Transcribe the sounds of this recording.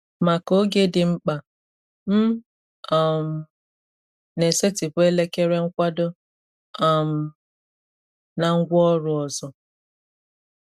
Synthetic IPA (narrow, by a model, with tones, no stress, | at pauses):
ma˨ko˦ɡe˦dɪ˨ŋ͡m̩˦k͡pa˨ | m̩˦ | a˨m̩˨ | ne˨se˦ti˨bʊ˨˦e˦le˦ke˦ɾe˦ŋ̩˦kʷa˦do˦ | a˨m̩˨ | na˨ŋ̩˦ɡʷɔ˦ɾʊ˨ɔ˨zɔ˨